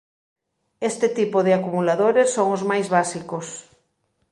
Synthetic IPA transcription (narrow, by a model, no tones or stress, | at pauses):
est̪ɪt̪ipoðɪakumulaðoɾesːoŋozmajzβasikos